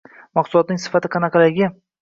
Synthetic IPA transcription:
mɑqsʊlˠɒt̪̚nɪŋsɪ̥fat̪ʰɪqʰɑnɑqʰɑlaɡʲɪ

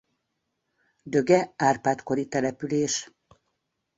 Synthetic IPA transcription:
d̪ø̞ɡɛaːrpaːt̪ko̞ɾit̪ɛlɛpyleːʃ

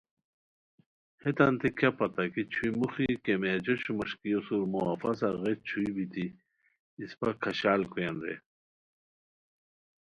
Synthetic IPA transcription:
het̪ant̪ikʰapɐt̪akit͡ɕʰuimuxikemed͡ʑoɕumɐʂkijosuɾmuafɐsaɣet͡ɕʰuibit̪i | ispakʰɐɕaːlkujanɾḛ

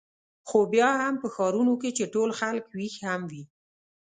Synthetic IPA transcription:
xobjɑhampəxɑɾunoket͡ʃeʈolxalkwixhamwi

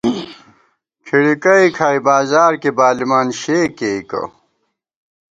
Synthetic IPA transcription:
kʰiɽikɐikʰaːjbaːzaːɾkebaːlimaːnɕeːkeikɐ̰

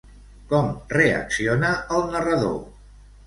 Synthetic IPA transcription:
kɔmreə̰ksionəəlˠnərəðo̰

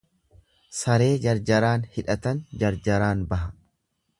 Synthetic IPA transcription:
sɐɾe̞ːd͡ʒɐɾd͡ʒɐɾaːnhɪᶑɐt̪ɐnd͡ʒɐɾd͡ʒɐɾaːnbɐɦɐ

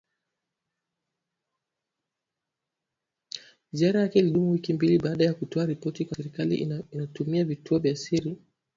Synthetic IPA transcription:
ziaɾajakɛliɗumuwikimbiliɓaːɗajakutʰɔaɾipɔtikwasɛɾikalḭinatumiavitʰuɔvjiasiɾi

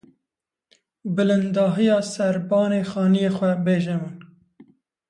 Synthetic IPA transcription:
bɨlɨnd̪ɑːɦijɑːsɛɾbɑːneːxɑːnijeːxwɛbeːʒɛmɨn

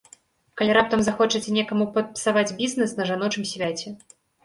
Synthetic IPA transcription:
kalʲiɾap̚t̪ɐmzaxɔt͡ʂɐt͡sʲɛnʲɛkɐmupɐt̪̚pʲi̥savad͡zʲbʲiznɛsnɐʐanɔt͡ʂɨmsʲvʲat͡sʲɛ

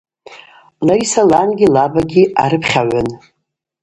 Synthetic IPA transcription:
lajsalanɡʲilabaɡʲia̰ɾɨpʰχʲaʕʷan

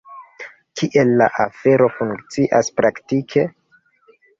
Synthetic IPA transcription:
kʰiʔe̞lːa̰ʔafe̞ɾo̞fuŋkt͡siʔaspɾaktikʰe̞

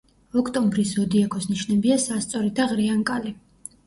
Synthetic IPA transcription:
ɔkʰt̪ʼɔmbɾisɔd̪iakʰɔsniʃnɛbiasast̪sʼɔɾid̪aʁɾiaŋkʼali

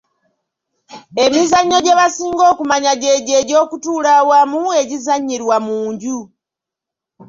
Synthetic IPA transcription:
e̞mizaɲːo̞ɟe̞βasiːŋɡo̞ːkumaɲaɟe̞ːɟe̞ːɟo̞ːkutuːlawamue̞ɟizaɲːiɾwamuːɲɟu

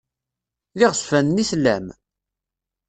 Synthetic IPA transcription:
lɪʁsfænnislːæ̰m

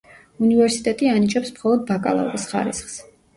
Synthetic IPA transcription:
univɛɾsit̪ʼɛt̪ʼianit͡ʃʼɛpsmχɔlˠɔd̪̚bakʼa̰lˠa̰ṵɾisχa̰ɾḭsχs

